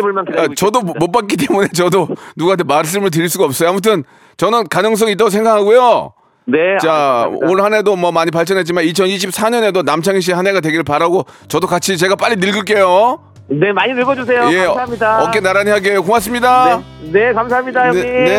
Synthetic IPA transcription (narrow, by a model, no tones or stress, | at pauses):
omanʰat͡ɕʌdomop͈ak͈it͈e̞mune̞t͡ɕʌdonuɡatemas̬͈ɯmɯɭt̬ɯɾiɭs͈uɡaʌp̚s͈ʌjamut̬ʰɯn | t͡ɕʌnɯnkanɯŋs̬͈ʌŋit̬͈aɡos̬ʰe̞ŋɡakʰaɡojo | net͡ɕaoɾɯɭhanedomʌmaɲipaɭt͡ɕ͈ʰʌnɦett͡ɕ͈imanit͡ɕʰʌniɕ̬ʰip̚s͈ʰaɲʌne̞donamt͡ɕʰaŋiɕ̬iɦaneɡat̬we̞ɡiɾɯɭpaɾaɡo | t͡ɕʌdokat͡ɕʰit͡ɕe̞ɡap͈aʎːinɯɭɡɯɭk̬͈e̞jo | nemaɲinɯɭɡʌd͡ʑus̬ʰe̞joemɲidaʌkk͈enaɾaɲiɦaɡejokoŋas̬͈ɯmɲida | nekamsaɦamɲidajʌe